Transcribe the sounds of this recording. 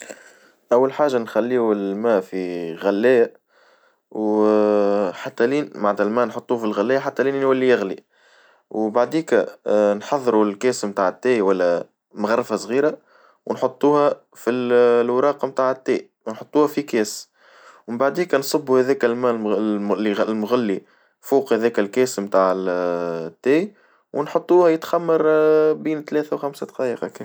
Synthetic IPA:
ʔæwːalħaːʒanxælːiːɪlmæːʔfiɣælːæːjæ | w | ħat̪ːæliːnmaʕd̪ælmænħot̪ˤːuːfilɣælːæːjæħat̪ːæliːnnwælːijɪɣli | wbaʕd̪iːkænħɑðˤːɾulkɛːsmt̪aːʕɪt̪ːɛːiwælːæ | mɣɑrˤːəfasˤɣiːɾa | wnħot̪ˤːuːhæ | filwɾˤɑːqɑmt̪aːʕɪt̪ːɛː | wnħot̪ˤːuːhæfikɛːs | wɪmbaʕd̪iːkænsˤɑbːuhæðɛːkælmælilmʊɣalːi | fuːqhæðɛːkælkɛːsmt̪aːʕ | t̪ːɛː | wnħot̪ˤːuːhæjɪt̪xæmːɑɾˤbiːnt̪lɛːθæwxæmsad̪qɑːjəqɑk

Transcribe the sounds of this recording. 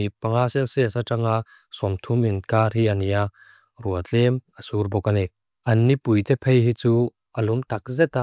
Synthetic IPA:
ipɐŋasɛlsɛɐsat͡saŋa | sɔmt̪ʰuminkaːrɦiɐnia | ruɐt͡ɬɛmɐsurbɔkɐnɛ | ɐnːipujt̪ɛpʰejɦit͡su | ʔɐlumt̪ɐk̚zɛt̪a

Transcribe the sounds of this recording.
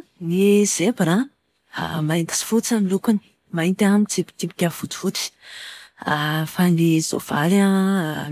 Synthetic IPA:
nizebɾa | a̰maint̪i̥si̥fut͡samilukuni̥ | maint̪amit͡sipi̥t̪ipi̥kʲav̥ut̪i̥v̥ut͡s̪i̥ | afanizo̰v̥aɾa

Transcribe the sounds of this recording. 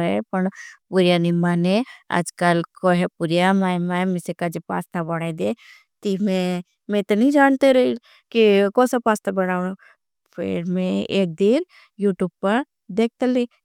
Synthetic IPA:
epɐɳpuɾjanɪmːanea̰d͡ʒkəlkoɦɛpuɾjamaːjmaːmɪsekad͡ʒepa̰ːst̪ʰabɐɽad̪e | t̪imẽ | mẽt̪nɐɦĩd͡ʒaːnt̪eɾɐi | kikɔ̃ːsapaːst̪ʰabɐɽaːno | pʰɪ̰ɾmẽeːk̚d̪in | juːʈjuːb̚pɐɾ | d̪eːk̚t̪ɐle

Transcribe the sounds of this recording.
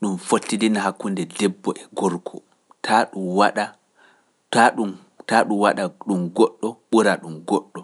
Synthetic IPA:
ɗumfotːidinaɦakːundɛdɛbːɔʔɛɡɔɾkʰɔ | tʰaɗuwaɗa | taɗum | taɗumwaɗaɗumɡɔɗːɔɓuɾaɗumɡɔɗːɔ

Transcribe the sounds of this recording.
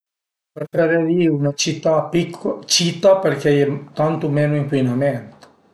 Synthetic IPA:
pert̪ɛɾeviunat͡ʃit̪ːapikʰːt͡ʃit̪aperkɛɛt̪ant̪omeːnoiŋkwinamɛnt̪

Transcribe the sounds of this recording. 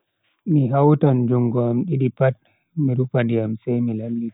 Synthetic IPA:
miɦawtand͡ʒuŋɡɔamɗiɗipat̚ | miɾupandiamsɛjmilalːi

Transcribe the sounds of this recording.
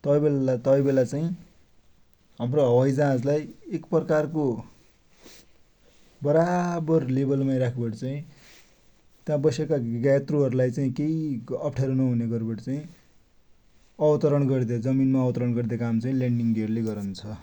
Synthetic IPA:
t̪ʌbelt̪ʌãbelat͡saĩ | ɦʌmroɦʌwʌjd͡zãd͡zlajekpʌkarko | bʌɾabʌrlebʌlmajɾakʰebʌʈit͡saĩ | t̪jãbʌsekaɡajt̪roɦʌɾulajt͡saĩkejʌpʰʈʰaɾunʌɦuneɡʌɾbʌʈit͡saĩ | ʌbʌt̪ʌɾʌɳɡʌrd̪ad͡zʌminmaːbʌt̪ʌɾʌɳɡʌrd̪akamt͡saĩleɳɖiŋɡɡeʌɾuleɡʌɾunt͡sʰʌ

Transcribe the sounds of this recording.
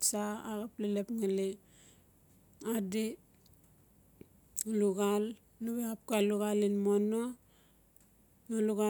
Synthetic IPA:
saaɣaplelepŋali | adi | luɡal | nuβeap̚kaluɣalinmono | naluɣa

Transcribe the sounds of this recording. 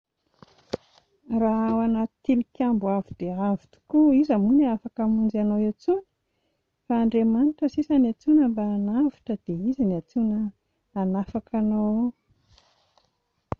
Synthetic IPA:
raawanət̪ilikʲambuavid̪̥eavit̪u̥kuizamunafakamund͡ʒanowewt͡suni̥ | faːɳɖ͡ʐemaniʈ͡ʂəsisəniat͡sunəmbaːnaviʈ͡ʂəd̪̥eiziniat͡sunəː | nafakʰano

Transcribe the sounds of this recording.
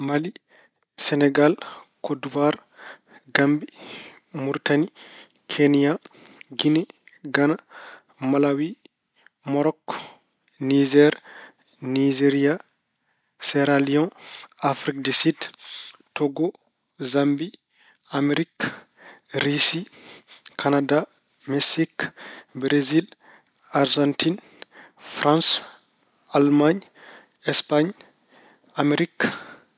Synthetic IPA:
mali | sɛnɛɡalkoduvaɾ | ɡambi | muɾtani | kʰenija | ɡinɛɡana | malawi | mɔɾɔkː | nid͡ʒɛɾ | nid͡ʒeɾija | sɛɾaliɔ̃nafɾik̚disidtɔɡɔ | zambi | ameɾik | ɾisi | kʰanada | mɛsikbɾezil | aɾd͡ʒantin | fɾãns | almaɲ | ɛspaɲ | ameɾik

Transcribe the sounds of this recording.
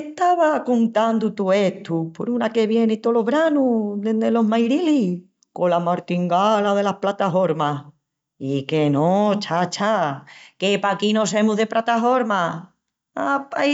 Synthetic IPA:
et̪aβakunt̪and̪ut̪ue̞t̪upo̞̰ɾunake̞βje̞nit̪olo̞βɾanud̪ed̪elo̞ɦmajɾili | kolamaɾt̪iŋɡalaðe̞lahplat̪afo̞ɾma | ikenot͡ʃat͡ʃakepakinose̞muðe̞plʔat̪afo̞ɾma | apa

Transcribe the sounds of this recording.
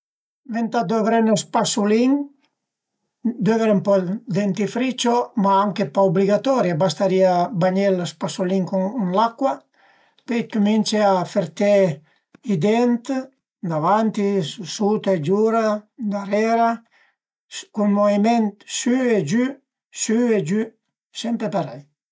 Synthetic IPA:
vent̪ad̪ovɾɛnospasuliŋ | d̪øveɾumpɔd̪ent̪ifɾit͡ʃomaaŋkepaubliɡat̪ɔɾjabast̪aɾiabaɲelaspasuliŋkuunlakːwa | pekumint͡ʃeafeɾt̪e | id̪ɛnt̪ | d̪avant̪iusut̪aed͡ʒuɾad̪aɾɛɾa | kunmovimɛnt̪syed͡ʒy | syed͡ʒy | sɛmpɾepaɾaj

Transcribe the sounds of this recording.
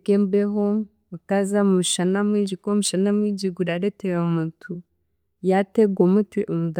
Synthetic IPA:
keːmbeɦo | utazamumuʃanamwid͡ʒikomuʃanamwiɟiɡuɾaɾeteɾaumutʰu | jateɡwomutwiʔomud

